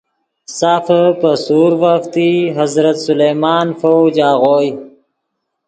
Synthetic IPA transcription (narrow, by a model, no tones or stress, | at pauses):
saːfəpəsuːɾwaft̪iɦɐzɾɐt̪sulemaːnfowd͡ʑaːɣoːj